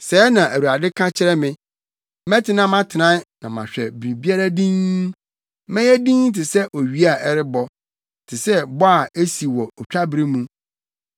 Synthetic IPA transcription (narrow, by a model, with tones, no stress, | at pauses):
sɛː˨˦nã˨ʔæ˨wu˨a˨dɪ˦kʰa˦t͡ɕʰɪ˦ɾɛ˦mɪ̃˦ | mɛ̃˦tʰɪ˦nã˦mã˦tʰɪ˨nã˦n˦nã˨mã̰˨ɕᶣɛ˨bɾĩ˨bi˦a˦ɾa˦dĩ˦n˦ | mɛ̃˦jɛ˦dĩ˦ŋ˦tʰɪ˨sɛ˦ʔo˨ɥi˦a˨ʔɛ˦ɾɪ˦bɔ˦˨ | tʰɪ˨sɛ˦bɔ˦a˨e˦si˨wɔ˨ɔ˨t͡ɕᶣa˦bɾi˦mũ˦